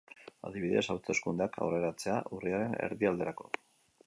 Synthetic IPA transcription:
a̰ðiβiðe̞̰sawt͡seskund̪eakʰa̰wre̞ɾat͡se̞aʔuriaɾe̞ne̞̰ɾðiald̪e̞ɾako̞̰

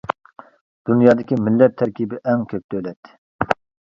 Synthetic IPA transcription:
d̪̥unjɑːd̪ɪkʲimɪlːɛt̚t̪ʰːɛɾkʲibɪʔɛŋkʲʰøp̚ʲt̪ʰølɛt̪ʰː

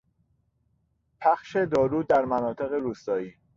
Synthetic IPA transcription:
pʰæxʃe̞d̪ɒːɾuːd̪æɾmænɒːt̪ʰe̞ɣeɾuːst̪ɒːiː

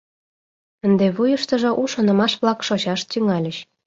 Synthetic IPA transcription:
ənd̪eβujəʃt̪ə̆ʒŏʔuʃonə̆mɑʃβlɑkʃot͡ɕɑʃt̪yŋɑlʲə̆ɕ

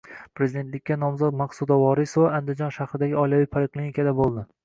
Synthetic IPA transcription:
pɾe̞zid̪e̞nt̪lɪkʲːanɒmzɒt̪maqsud̪ɒwɒɾɪsvɒand̪ɪd͡ʒɒnʃahɾɪd̪aɡʲɪɒjlawɪpʰalɪkʲlˠinikʰʲad̪abolˠd̪ɪ

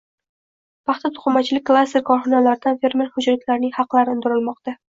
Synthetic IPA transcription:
pʰɑχt̪ʰat̪ʰʊ̥χʊmat͡ʃʰɪlɪk̚ʲkːlˠast̪eɾkʰɒɾχɒnalaɾd̪anfe̞ɾmeɾhʊd͡ʒɾɪt̪ʲlaɾnɪŋhɑqlˠaɾɪʊnd̪ʊɾɪlmɒqt̪a

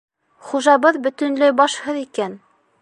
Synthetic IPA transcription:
χuʒɑβɤðbɵ̆t̪ɵ̆nlɘbɑʃhɤðikæn

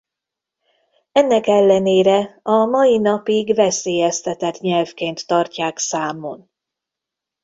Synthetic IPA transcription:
ɛnːɛkɛlːɛneːɾɛɒmɒjinɒpiɡvɛseːjɛst̪ɛt̪ɛt̪ɲɛlfkeːnt̪ːɒrcaːksaːmon

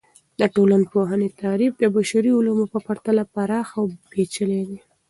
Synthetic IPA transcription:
d̪əʈolanpoɦənet̪ɑɾifd̪əbaʃaɾiʊlamopəpaɾt̪alapaɾɑxawbet͡ʃəled̪e

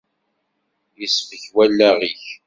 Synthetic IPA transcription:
jəsfəçwælːæʁiç

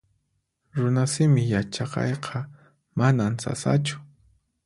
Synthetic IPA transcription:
ɾʊnasɪmɪjat͡ʃɑqɑ̰jqʰɑ | manansa̰sa̰t͡ʃʊ̥

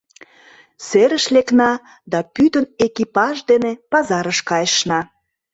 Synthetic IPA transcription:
seɾəʃleknɑ | d̪ɑpyt̪ənekipɑʒd̪enepɑzɑɾəʃkɑjəʃnɑ

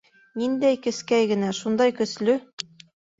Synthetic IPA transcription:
nind̪æjkɘ̆skæjɡɘ̆næʃund̪ɑjkɵ̆slɵ

